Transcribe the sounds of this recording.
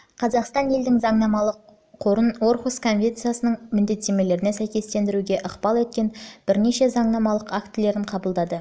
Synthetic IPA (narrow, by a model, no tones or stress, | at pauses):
qʰɑzɑqst̪ɑnje̞ld̪ɪŋzɑɴnɑmɑlˠəqʰː | o̞ɾəno̞ɾχuskʰo̞nvʲe̞nt̪sɨjasənəɴmɪnd̪e̞t̪ːe̞me̞le̞ɾɪnesæjkʲe̞st̪e̞nd̪ɪɾuɡʲe̞ʔəqbɑlˠwet̪̚kʲe̞nb̥ɪɾne̞ʃe̞zɑɴnɑmɑlˠəqakt̪ɪle̞ɾɪɴqʰɑbəlˠd̪ɑd̪ə